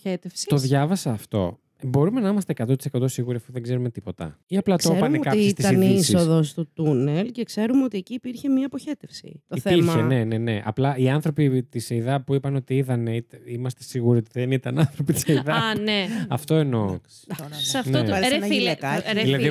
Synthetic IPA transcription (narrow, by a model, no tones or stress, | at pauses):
et̪efsit̪o̞ðʝɐvɐsɐːft̪o̞̰ | bo̞ɾume̞nɐimɐst̪eːkɐt̪o̞t̪i̥sekɐt̪o̞siɣuɾiɐfuðeɡze̞ɾume̞t̪ipo̞t̪ɐ̰iɐplɐt̪oɾpɐnekɐsist̪it̪sɐinisiosðost̪ut̪unelce̞kse̞ɾumeo̞t̪ieciːpiɾçe̞miɐpoçe̞t̪efsḭt̪oiθeiɾmçɐene̞ne̞ne̞ʔɐ̰plɐʔiɐnθɾo̞pit̪iseiðɐpuipɐno̞t̪iiðɐneit̪imɐst̪e̞siɣuɾio̞t̪iðenit̪ɐnɐnθɾopit̪i̥seiðɐneɐft̪o̞eno | sɐfnot̪ɾeieɾeilɐðði